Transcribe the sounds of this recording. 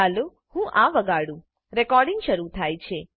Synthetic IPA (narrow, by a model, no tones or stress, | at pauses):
alu | hũʔaʋəɡaɽũ | ɾɛkɔɾɖɪŋɡʃəɾut̪ʰajt͡ʃʰe